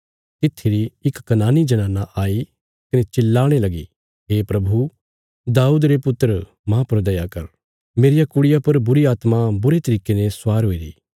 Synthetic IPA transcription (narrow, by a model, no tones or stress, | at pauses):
t̪ɪt̪ʰːiɾiɪkːɐnaːnid͡ʒɐnãːnːaʔaːi | kɐnet͡ʃɪlːaːɽ̃elɐɡi | ɦeːpɾɐbʱu | d̪aːuːd̪ɾepʊt̪ːəɾə | mãpɐɾd̪ɐjakɐɾ | meːɾɪjakʊɽɪjapɐɾbʊɾiaːt̪mabʊɾet̪ɐɾiːkenẽswaːɾɦoːiɾḭː